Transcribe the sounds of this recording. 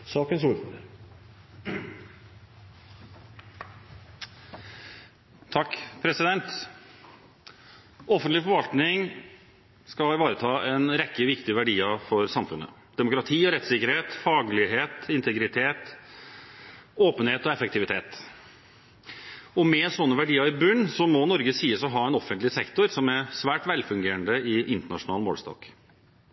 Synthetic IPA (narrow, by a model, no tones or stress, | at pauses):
sɑːkənsuɾ | t̪ʰɑkːpʰɾɛsɪd̪ɛnt̪ | ɔfənt̪lɪfɔɾʋɑlt̪nɪŋ | skɑɪʋɑːɾət̪ʰɑːʔɛnɾɛkːəʋɪkt̪ɪʋæɖiːɑfɔɾsɑmfʉnə̰ | d̪ɛmʊkɾɑt̪ʰiːɔɾɛt̪sɪkːəɾheːt̪fɑːɡlɪɦeːt̪ɪnt̪ʰəɡɾɪt̪ʰeːt̪ | oːpənheːt̪ɔɛfək̚t̪ɪʋɪt̪ʰeːt̪ | ɔmɛsɔnːəʋæɖiːəɾɪbʉnːsɔmɔnɔɾɡəsiːəsɔɦɑːɛnɔfənt̪lɪsɛkt̪ʊɾsɔmæsʋæːʈʋɛlfʉŋɡeːɾəɳd̪əɪʔɪnt̪əɳɑ̰ʂʊnɑːlmo̰ːlst̪ɑ̰ːk